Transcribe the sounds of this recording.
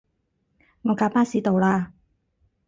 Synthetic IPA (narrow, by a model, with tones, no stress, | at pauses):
ŋɔː˨˧kaː˨˧˥paː˥siː˨˧t̪o˨˧wlaː˧